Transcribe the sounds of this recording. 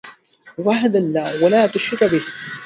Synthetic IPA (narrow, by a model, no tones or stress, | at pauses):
waɦad̪alːaːwalaːt̪ʊʃɾɪkbɪh